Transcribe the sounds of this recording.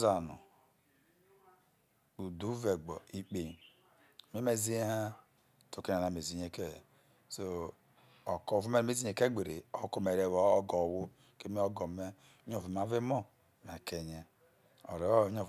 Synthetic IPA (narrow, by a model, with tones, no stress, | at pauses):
za˨nṵ˨ | u˨du˨˦ve˨ɡ͡bɔ̰˨i˦k͡pe˨ | me˦me˦˨zi˦ha˦ | to˨ke˦na˨na˨m˨e˨zi˨ɲe˦ke˦˨ | so˦ | o˨ko˦˨vu˦me˦˨me˦zi˦ɲe˨ke˦ɡ͡be˨ɾḛ˨o˦ko˦me˨ɾe˨wo˦o˦ɡo˨wu˦ | ke˦mi˦o˦ɡo˨me˦ | ɲo˦vi˨ma˦ve˦mo˦ | me˨ke˨ɲe˦ | o˨ɾe˨˦o˦o˨